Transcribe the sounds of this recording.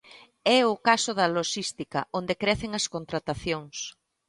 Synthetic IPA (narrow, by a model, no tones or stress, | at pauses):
ɛʊkasʊðɐloʃist̪ikɐ̰ʔond̪ekɾɛθeŋɐskont̪ɾat̪aθjoŋs